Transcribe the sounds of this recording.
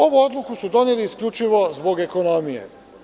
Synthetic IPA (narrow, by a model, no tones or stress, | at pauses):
o̞ʋuod̪lˠukusud̪o̞neliːskʎʲut͡ʃiʋo̞zbo̞ɡe̞ko̞no̞mijḛ